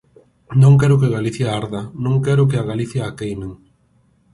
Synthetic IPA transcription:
nõŋkɛɾʊkeɣaliθjaaɾðɐnõŋkɛɾʊkɪaɣaliθjaːkejneŋ

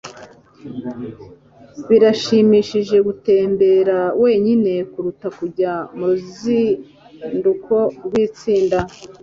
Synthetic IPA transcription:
βiɾaʃimiːʃiʒe̞ɡute̞ːmbe̞ɾawe̞ːɲine̞kuɾutakuɾɟamuuzi | ndukʰo̞ɾɡwiːt͡siːnda

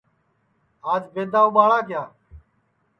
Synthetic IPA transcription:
aːd͡ʒbeːd̪aːʊɓaːɽaːkɪjaː

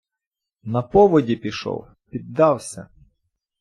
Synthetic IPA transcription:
nɐpɔʋɔdʲipʲiʃɔ̰w | pʲid̪ːɑwsʲɐ̰

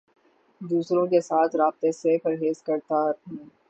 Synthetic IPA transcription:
d̪uːsɾõkesaːt̪ʰɾaːb̚t̪esepəɾɦeːzkɐɾt̪aːɾɦũː

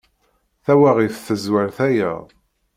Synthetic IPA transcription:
θæwaʁifθəzwaɾθæjæ̰

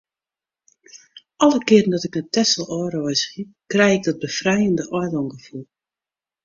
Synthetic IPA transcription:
ʔɔlˠəkɪəɾən̩dɔtɪknətɛsəlˠɔːrɔjsxikrɛjɪɡ̚dɔt̚bəfrɛjəndəʔɔjlɔŋɡəfulˠ

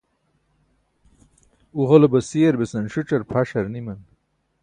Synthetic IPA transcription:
uʁɐlobɐsiɐɾbesɐnɕuʈ͡ʂɐɾpʰaɕɐɾnimɐn

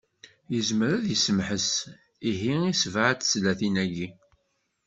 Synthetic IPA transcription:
jəzməɾæðjəsəmħəs | iɦiisvʕət͡s̪ːslæθinæʝi

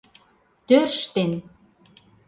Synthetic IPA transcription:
t̪ørʃt̪en

